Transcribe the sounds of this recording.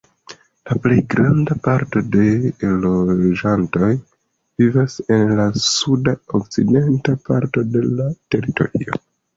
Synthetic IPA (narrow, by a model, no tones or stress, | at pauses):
laple̞jɡɾandapaɾto̞de̞lo̞d͡ʒanto̞j | vivase̞nlasudaok̚t͡side̞ntapaɾto̞de̞late̞ɾito̞̰ɾio